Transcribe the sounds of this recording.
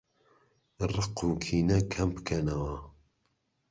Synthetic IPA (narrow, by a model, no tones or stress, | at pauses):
rɨqukʰiːnɐkʰɐmpkʰɐnɐwɐ